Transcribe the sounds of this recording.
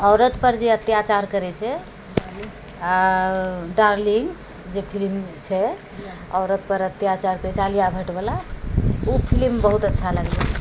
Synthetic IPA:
ɔʊɾət̪pəɾd͡ʒeət̪jat͡ʃaɾkəɾɛt͡ʃʰɛ | a | ɖaɾliŋs | d͡ʒepʰilmt͡ʃʰɛ | ɔʊɾət̪pəɾət̪ːjat͡ʃaɾkəɾɛt͡ʃʰalijabʱəʈbela | upʰilmbəɦut̪ətːʃʰaləɡlɛ

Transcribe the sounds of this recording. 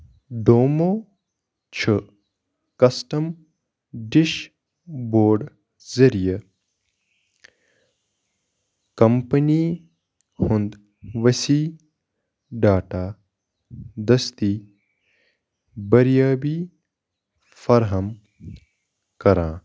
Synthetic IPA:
ɖ̪oːmoː | t͡ʃʰɐ | kɐsʈɐm | ɖiʃ | boːɾɖ | zɐɾijɐ | kɐmpɐniː | hũnd̪ | ʋɐsiː | ɖaːʈaː | d̪ɐst̪i | bɐɾjaːbiː | fɐɾɦɐm | kɐɾãː

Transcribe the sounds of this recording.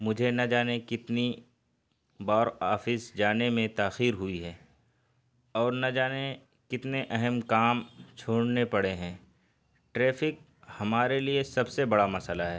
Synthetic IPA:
mʊd͡ʒʱenɐd͡ʒaːnekɪt̪ni | baːɾaːfɪsd͡ʒaːnemẽt̪aːxiːɾɦʊiɦɛː | ɔːɾnɐd͡ʒaːne | kɪt̪neʔɛɦɛmkaːmt͡ʃʰoːɽnepɐɽeɦɛ̃ː | ʈɾeːfɪk̚ | hɐmaːɾeliesɐbsebɐɽamɐsəlaɦɛː

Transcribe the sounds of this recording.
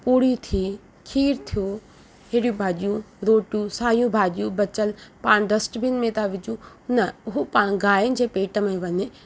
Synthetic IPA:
puːɽit̪ʰi | kʰiːɾt̪ʰijo | ɦeɽjũbʱaːʄijũ | ɾoːʈjũsaːjũbʱaːʄijũbɐt͡ɕəlpaːɽ̃ɖɐsʈbinmẽt̪aʋɪd͡ʑũ | nɐʊɦopaːɽ̃ɡaːjɪnɪ̆d͡ʑeːpeːʈəmẽʋɐɲe

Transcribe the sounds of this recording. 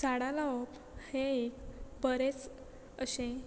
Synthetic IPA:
saɽalaɔp | heekbəɾet͡s | əɕẽ

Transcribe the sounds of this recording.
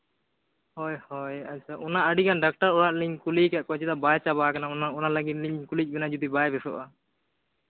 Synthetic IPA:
hɔjhɔjat͡ʃʰaʔunaəɖikanɖak̚ʈəɾɔɽaʔ̪̚liɲkulikaʔkɔt͡ʃit̪abajt͡ʃabakananaɔnaləɡit̪̚liɲkulit͡ʃ̚bɛnad͡ʒud̪ibajbɛsɔ̰ʔa

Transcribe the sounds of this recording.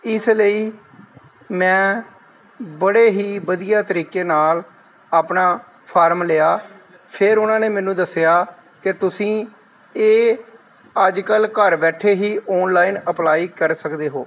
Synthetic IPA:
ɪsləiː | mɛ̃ː | bəɽeːɦiːbəd̪ijaːt̪əɾiːkeːnaːl | aːpnaː | pʰaːɾmleːaː | pʰɪɾʊnãːneːmɛ̃ːnũːd̪əsːɪjaː | kɪt̪ʊsĩː | eː | əd͡ʒkəlkəɾbɛːʈʰeːɦiːʔɔːnlaːiːnəplaːiːkəɾsəkd̪eːɦoː

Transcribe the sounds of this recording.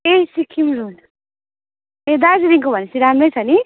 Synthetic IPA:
esikʰːimɾul | ed̪azid̪iŋkobʱʌnesiɾamɾʌjt͡sʰʌni

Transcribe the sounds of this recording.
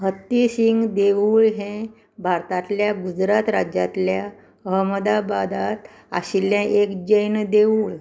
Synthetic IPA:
ɦət̪ːisiŋɡd̪eʋuɭɦẽ | bʱaɾt̪at̪ljaɡud͡zɾat̪ɾad͡ʑat̪lja | əɦməd̪abad̪at̪ | a̰ɕiljãʔekd͡ʑəjnd̪euːɭ

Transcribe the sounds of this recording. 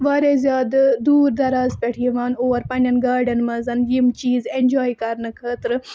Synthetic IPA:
ʋaːɾezʲjaːd̪d̪uːɾd̪ɐɾaːzpʲeʈʰiʋaːnoːɾpɐnʲɐnɡaːɖɐnmɐzɐnjimt͡ʃiːzenʲd͡ʒoːjkɐɾnɨkʰɐːt̪ɾɨ

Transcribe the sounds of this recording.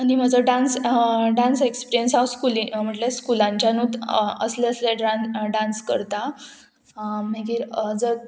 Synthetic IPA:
anim̤əd͡zəɖãnsɖãnsekspiɾjənsawskulĩm̤əʈleskulãɲt͡ɕjanuːt̪ə̰sleəsleɖanɖãnskə̰ɾt̪a | meɡiɾd͡zə

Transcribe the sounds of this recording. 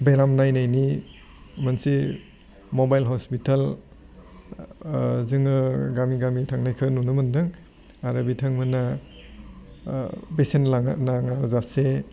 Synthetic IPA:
beɾamnajnajni | mansi | mobajlɦɔspitʰal | zɯŋɯɡamiɡamitʰaŋnajkʰɯnunɯmɯndɯŋ | aɾɯbitʰaŋmɯna | besenlaŋanaŋaɾzase

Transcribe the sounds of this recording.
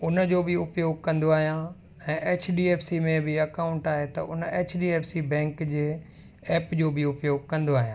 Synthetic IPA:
ʊnəd͡ʑoːbɪʊpjoːɡ̚kɐ̃nd̪oaːɦijã | ɛ̃ːʔeːt͡ɕʰɖiːeːpʰsimẽbɪɐkaːʊ̃ɳʈaːɦet̪ɐʔʊneːt͡ɕʰɖiːeːpʰsibɛ̃ːŋkd͡ʑeː | ɛːpd͡ʑoːbɪʊpjoːɡ̚kɐ̃nd̪oaːɦiã

